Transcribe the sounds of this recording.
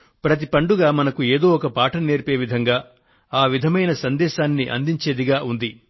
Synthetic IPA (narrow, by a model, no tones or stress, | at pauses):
pɾɐt̪̬ipɐɳɖuɡaːmɐnɐkueːd̪o̞ːɔkɐpaːʈɐne̞ːɾpe̞ːʋid̪ʱɐŋɡaː | aːʋid̪ʱɐmɐjnɐsɐnd̪ɛːʃaːnːiʔɐ̰nd̪iɲt͡ʃe̞ːd̪iɡaːʔund̪i